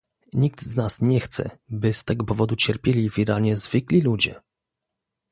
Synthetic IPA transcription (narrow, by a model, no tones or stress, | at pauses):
ɲik̚t̪znasɲɛxt̪sɛ̰bɘst̪ɛɡɔpɔvɔd̪ut͡ɕɛɾpʲjelʲivʲiɾaɲɛzvɘklʲilud͡ʑɛ̰